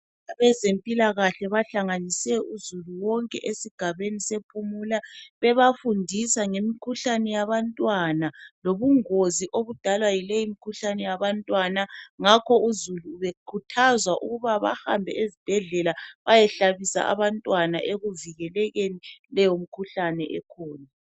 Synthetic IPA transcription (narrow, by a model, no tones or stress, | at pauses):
aβɛzempʼilaɣaɬɛβaɬaŋanisɛʔuzuluwɔŋkʼɛ̰ʔesiɡ̥ʱaβenisepʰumuːlaβɛβafundʱisaŋemikʰuɬanɛjaβantʼwanaloβuŋoziʔoβud̥ʱalwajilejimikʰuɬanɛjaβantʼwanaŋakʰɔuzuluːβekʰutʰazwaʔṵɣuβaβa̰ha̰mbʱɛ̰ezib̥ʱɛɮɛlaβajɛɬaβisa̰ʔa̰βantʼwana̰ʔeɣuviɣɛlɛɣenilɛjom̩kʰuɬanɛʔɛkʰɔːna